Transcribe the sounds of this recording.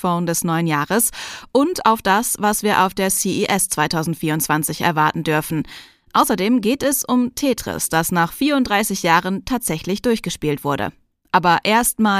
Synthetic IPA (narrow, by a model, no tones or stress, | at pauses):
foʊndɛsnɔʏənjaːʁəsʔʊnta̰ʊfd̥asv̥asv̥iːɐʔa̰ʊfd̥eːɐsiːʔiːʔɛst͡sv̥aɪtʰaʊzn̩tfiːɐʊntt͡sv̥ant͡sɪçɛ̰ɐvaɐtn̩dʏɐfn̩ | ʔaʊsɐdeːmɡeːtɛsʊmtʰeːtʁ̥ɪ̰sd̥asnaːχfiːɐʊntd̥ʁaɪsɪçjaːʁəntʰaːtz̥ɛçlɪçd̥ʊɐçɡ̥əʃpiːltv̥ʊɐɾə̰ | ʔaːbɐʔeːɐstmaː